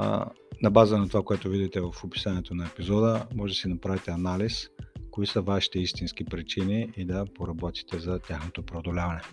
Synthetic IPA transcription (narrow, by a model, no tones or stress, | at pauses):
nɐbazənɐt̪ovakoɛt̪ovid̪it̪ɛvɐfopi̥saniɛt̪onɐɛpizɔd̪əmɔʒɛd̪sinɐpɾavit̪ɛɐnaliskoisəvaʃi̥t̪ɛist̪insk̟ipɾit͡ʃiniid̪ɐpoɾɐbɔt̪i̥t̪ɛzɐt̪ʲaxnot̪opɾɛod̪olʲavɐnɛ